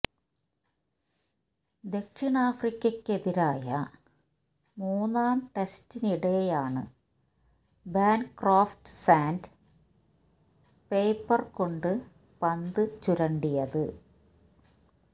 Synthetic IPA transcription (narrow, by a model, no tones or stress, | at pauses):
d̪e̞kɕinaːfrikʲːɐkːe̞ðiɾaːjɐ | muːnːaːmʈe̞stiniɽe̞jaːɳɨ̰ | baːnkraːfʈsaːnd | pe̞ːpːɐrko̞ɳɖɨ | pɐnd̪ɨt͡ɕuɾɐɳɖijɐðɨ